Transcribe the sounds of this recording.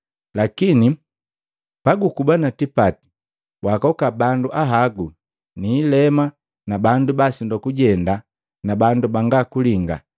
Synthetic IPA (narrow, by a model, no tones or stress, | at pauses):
lakini | paɡukubanatipati̥ | wakɔkabanduʔaɦaɡu | niːlɛma | nabandubasindɔkuɟɛnda | nabandubaŋɡakuliŋɡa